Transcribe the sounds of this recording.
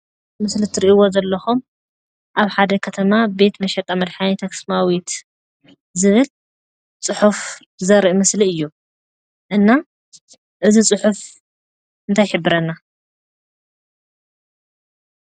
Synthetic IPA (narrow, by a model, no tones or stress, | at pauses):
mɨslɨt̪ʰɨɾiʔiwo̞zɐlːɐxum | ʔaβħad̪ɐkʰɐt̪ʰɐmabe̞t̪mɐʃɛt̪ʼɐmɐd̪ħanit̪ʰɐksmawit̪ | zɨβɨl | t͡sʼɨħuf | ɨzɐɾiʔmɨsliɨjːu | ʔɨnːa | ʔɨzit͡sʼɨħuf | ɨnt̪ʰajħɨbːɨɾɐnːa